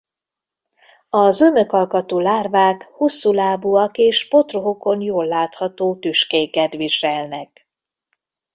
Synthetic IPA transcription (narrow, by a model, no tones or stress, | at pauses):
ɒzømøkɒlkɒt̪oːlaːrvaːkhosːulaːbuɒkeːʃpo̞t̪roɦoko̞njoːlːaːt̪hɒt̪oːt̪yʃkeːkɛt̪ʋiʃɛlnɛk